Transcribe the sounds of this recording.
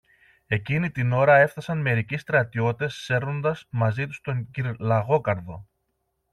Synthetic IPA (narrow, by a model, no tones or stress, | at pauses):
e̞cinit̪ino̞ɾɐe̞fθɐsɐnme̞ɾicist̪ɾɐt̪io̞t̪e̞sːe̞ɾno̞nd̪ɐsmɐzit̪u̥st̪o̞ɲɟiɾlɐɣo̞kɐɾðo̞